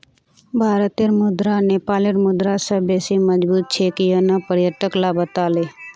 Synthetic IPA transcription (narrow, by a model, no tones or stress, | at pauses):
bʱaːɾət̪eɾmʊd̪ɾaneːpaːleɾmʊd̪ɾasəbesiməd͡ʒbuːt̪̚t͡ʃʰekijonapəɾjəʈəklabət̪aːleː